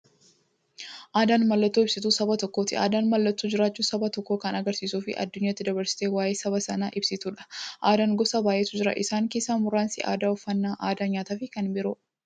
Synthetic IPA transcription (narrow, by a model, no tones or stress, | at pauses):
ʔaːd̪aːnmɐlːɐt̪ːuːɪbsɪt̪uːsɐbɐt̪ɔkːoːt̪ɪa̰ːd̪aːnmɐlːɐt̪ːuːd͡ʒɪɾaːt͡ʃːuːsɐbɐt̪ɔkːo̞ːkɐnɐɡɐɾsiːsuːfɪ̰ʔɐ̰d̪ːʊɲːaːt̪ːɪd̪ɐbɐɾsɪ̥t̪eːwaːjeːsɐbɐsɐnaːʔɪbsɪt̪uːᶑɐ̥ʔaːd̪aːŋɡɔsɐbaːjeːt̪ʊd͡ʒɪɾɐ̰ʔɪsaːŋke̞ːsːaːmʊɾaːnsɪʔa̰ːd̪aːʊfːɐnːaːʔaːd̪aːɲaːt̪aːfɪkɐnbɪɾo